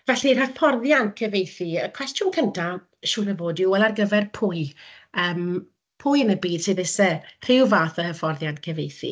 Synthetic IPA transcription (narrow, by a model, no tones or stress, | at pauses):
vɛɬir̥əfʰɔrðjankʰəvejθiəkʰw̥ɛstjʊnkʰəntʰa | ʃuːnəvoːduɛlˠarɡəvɛrpʰʊɨ | əːm | pʰʊjənəbiːd̥seðɪsɛr̥ɪwvaːθəhəfɔrðjankʰəvejθḭ